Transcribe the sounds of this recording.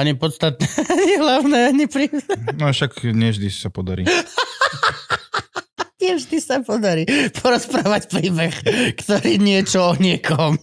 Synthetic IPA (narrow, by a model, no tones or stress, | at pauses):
aɲipɔt̪st̪at̪̚nɛaɲiɦlaʊnɛːaɲipɾiːnɛnaʃakɲɪɛʒd̪isapɔd̪aɾḭ | ɲɪɛʒd̪isapɔd̪aɾiːpʰɔɾɔspɾaːʋacpɾiːbɛxkt̪ɔɾiːɲɪɛt͡ʃɔɔɲɪɛkɔm